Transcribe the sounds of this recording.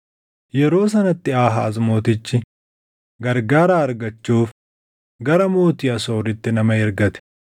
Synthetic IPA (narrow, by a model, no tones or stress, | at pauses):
jɛɾo̞ːs̬ɐnɐt̪ːɪaːɦɐ̰ːzmo̞ːt̪ɪt͡ʃːɪ | ɡɐɾɡaːɾaːɐɾɡɐt͡ʃːuːf | ɡɐɾɐmo̞ːt̪ɪjɐso̞ːɾɪt̪ːɛnɐmɐjɛɾɡɐt̪ɛ̥